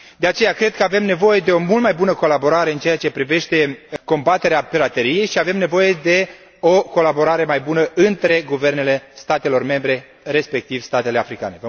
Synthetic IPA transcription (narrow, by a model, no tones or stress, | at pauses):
d̪e̞at͡ʃe̞jakɾe̞d̪̚kəave̞mne̞vo̞je̞d̪e̞o̞mult̪majbunəko̞labo̞ɾaɾe̞ɨnt͡ʃe̞jat͡ʃe̞pɾive̞ʃt̪e̞ko̞mbat̪e̞ɾeapiɾat̪e̞ɾije̞jʃiave̞mne̞vo̞je̞d̪e̞ | o̞ko̞labo̞ɾaɾe̞majbunəɨnt̪ɾe̞ɡuve̞rne̞le̞st̪at̪e̞lo̞rme̞mbɾe̞ | ɾe̞spe̞k̚t̪ivst̪at̪ele̞afɾika̰ne̞və